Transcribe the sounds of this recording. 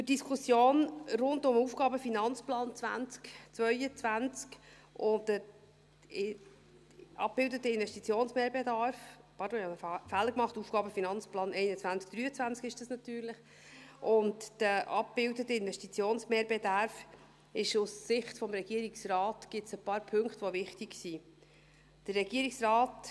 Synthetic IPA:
əd̥iskʰusjoːnrʊndʊmuːfɡ̥ɑːbəfinɑnt͡splɑːnt͡svæ̰nt͡skt͡svœʏət͡sʋænt͡sk | ʔʊdə | ɑ̰p̚b̥ɪldətəɪnvɛʃtit͡sjoːnsmeːɾbedɑɾfpɑɾdõɑfælːəkmɑχtuːfɡ̥ɑːbəfinɑnt͡splɑːnɛɪnət͡sʋænt͡sk̚d̥ɾyːət͡sʋænt͡skɪʃd̥ɑsnɑt̪yːɾlɪχ | ʔʊntd̥əʔɑ̰p̚b̥ɪldətəɪnʋɛʃtit͡sjoːnsmeːɾbedɑɾf | ɪʃussɪχtfɔmɾɛɡ̥iəɾiksrɑːtɡ̥ɪtsəpɑːɾpʰɵŋktʋovɪχtiɡsiː | d̥ərːɛɡiəɾiksrɑːt

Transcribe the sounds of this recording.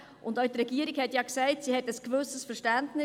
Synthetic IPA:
ʔʊndœɥtɾɛɡ̥iəɾiɡhɛtjɑksɛɪtsihɛtəskvɵsəsfəʃtæntnɪ

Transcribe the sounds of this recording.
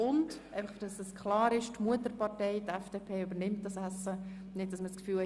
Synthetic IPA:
ʊndʔɛɪfɑχfd̥ɑsɛskʰlɑːɾɪʃtmuətəɾpɑrtɛɪtɛfd̥epʰeːybəɾnɪmt̚dɑsæsːə | nɪt̚d̥ɑsməskfyːlɛ

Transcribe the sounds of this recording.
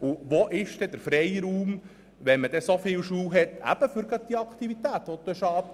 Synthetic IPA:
uʋoʔɪʃd̥ɛd̪əɾfɾɛjɾuːm | ʋɛnməd̥̪ɛsofɪːwʃuːwɦɛt̪æ̰b̥əfʏɾɡɑd̪̚d̥̪iɑkʰt̪ivit̪æːt̪ʋɔt̪ːɛʃɑːp

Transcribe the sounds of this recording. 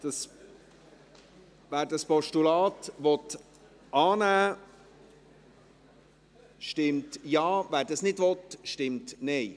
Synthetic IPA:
d̥ɑs | væːɾdɑspɔʃtulɑːtʋɔt | ʔɑːnæː | ʃtɪmtjɑːvæːɾdɑsnɪdʋɔtʃtɪmtnɛɪ

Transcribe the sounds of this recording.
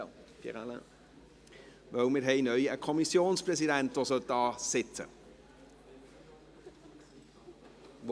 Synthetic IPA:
fḭʁalə | ʋœwmɪɾɦɛɪnœʏəkʰɔmisjoːnspɾɛsidæntʋosœld̥ɑːsɪt͡sə̰ | ʋ

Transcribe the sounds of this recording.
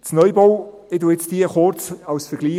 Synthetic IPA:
t͡snœʏbɔw | ɪduɪt͡sd̥iəχoɾt͡sɑwsfɛɾɡ̥liː

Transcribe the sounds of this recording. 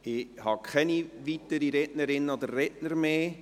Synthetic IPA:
ɪhɑkʰχɛniʋitːəɾiɾɛtnəɾɪnːəod̪ərːɛtnəɾmeː

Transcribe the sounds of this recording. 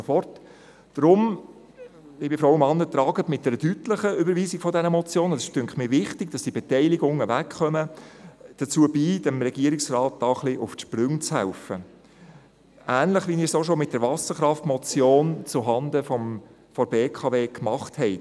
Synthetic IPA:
ofɔrt | d̥ɾʊm | ɪbɪfɾoʊəmɑnːət̪ɾɑːɡətmɪt̚dɛɾədytləχəybəɾʋiːzɪɡ̥fɔdɛnəmɔt͡sjoːnəɑsɪ̥ʃtʏŋkχmiːɾʋɪχtɪɡ̥̚d̥ɑsd̥iəbɛtɛɪlɪɡʊŋəvækχœmə | d̥ət͡suːəbiːd̥ɛmɾɛɡiəɾɪksrɑːt̚d̥ɑːχlɪʔʊfʃpɾʏŋt͡shæ̰ʊfə | æːnləχʋiniːɾsoːʃoːmɪt̚d̥əɾʋɑsəχɾɑftmɔt͡sjoːnt͡sʊɦɑndəfɔm | fɔɾbeːkʰɑveːkmɑχthɛɪ

